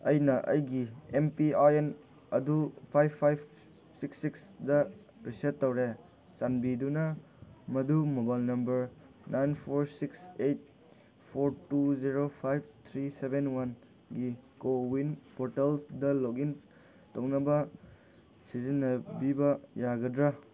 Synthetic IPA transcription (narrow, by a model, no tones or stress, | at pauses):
ɐjnɐʔɐ̰jɡiempiaen | ɐ̰dupʰajbʰːajb | siksːiksdɐ | ɾisetːɐwɾe | t͡ʃanbidunɐ | mɐdumobajlnɐmbɐɾ | najnpʰoɾsiksejt̚ | pʰoɾtuziɾopʰajb̚t̪ʰɾisebenwan | ɡikowinpoɾtelsdɐlokin | townɐbɐ | sizinːɐbibɐjaɡɐdɾɐ